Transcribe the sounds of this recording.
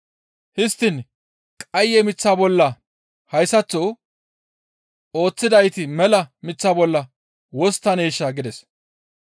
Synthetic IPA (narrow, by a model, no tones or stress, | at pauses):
hɪst̪ːɪn | kʼɐjːɛmɪt͡sːaːbɔlːɐ | hɐjsɐt͡sːɔ | o̞ːt͡sːɪd̪ɐjt̪ɪmɛlɐmɪt͡sːaːbɔlːɐ | wɔst̪ːɐneːʃːaɡɪd̪ɛs